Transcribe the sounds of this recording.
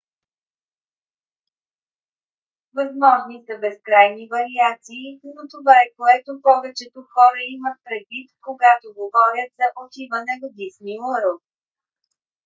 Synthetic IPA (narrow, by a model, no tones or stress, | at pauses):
vɐzmɔʒnisəbɛskɾajnivɐɾiat̪siːnot̪ovaɛkoɛt̪opɔvɛt͡ʃɛt̪oxɔɾəimət̪̚pɾɛd̪vit̪koɡat̪oɡovɔɾʲjət̪z̥ɐʔot̪ivənɛvɐd̪isniuɾəlˠ